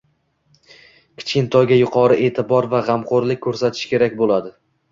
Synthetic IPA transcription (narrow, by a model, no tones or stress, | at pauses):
kʲʰɪ̥t͡ʃkʲɪnt̪ʰɒjɡʲajʊqʰɒɾɪʔe̞ːt̪ʰɪbɒɾvaʁamqoɾlɪkʲʰːɵɾsat̪ʰɪ̥ʃkʲe̞ɾakʲbolˠad̪ɪ